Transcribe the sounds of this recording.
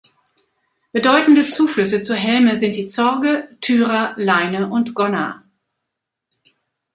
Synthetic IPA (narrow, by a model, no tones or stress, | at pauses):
b̥ədɔʏtn̩dət͡suːflʏsət͡suɐɦɛlməzɪnt̚d̥iːt͡sɔɐɡətʰyːʁɐlaɪnəʔʊntɡ̥ɔnɐ̰